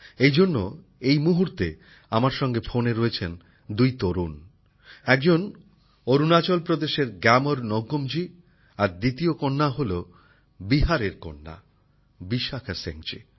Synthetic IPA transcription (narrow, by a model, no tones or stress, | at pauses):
ejd͡ʑonːo̰ | ejmuɦuɾt̪e | amaɾʃɔŋɡefʰoneɾoet͡ɕʰen | d̪ujt̪oɾun | ɛk̚d͡ʑon | oɾunat͡ɕolpɾod̪eʃeɾɡɛmoɾnɔɡːomd͡ʑi | aɾd̪it̪iokonːaɦolo | biɦaɾeɾkonːa̰ | biʃakʰasḛŋt͡ɕḭ